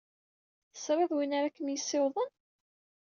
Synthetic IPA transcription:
θə̥sɾaðwinaɾakːəmjəsːewðˤən

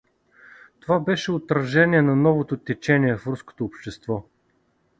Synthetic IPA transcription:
t̪ovabɛʃɛot̪ɾɐʒɛniɛnɐnɔvot̪ot̪ɛt͡ʃɛniɛfɾusko̥t̪oːpʃt̪ɛst̪vɔ

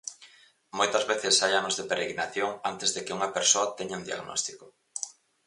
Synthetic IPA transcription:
mojt̪ɐzβeθɪsajanozðepeɾeɣɾinaθjoŋant̪ezðekɪuŋɐpeɾsoɐt̪eɲaund̪ia̰ɣnɔ̰st̪i̥kʊ

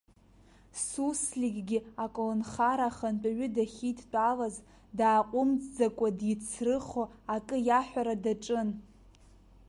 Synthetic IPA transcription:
suslʲiɡʲɡʲiakʼolonχaɾaχənt͡pʼaɥʏdaχʲitʰt͡pʼalaz | daːqʷʼʊmd͡zd͡zakʷʼadit͡sʰrɨχoakʼɨjaħᶣʷaɾadaʈ͡ʂʼɨn

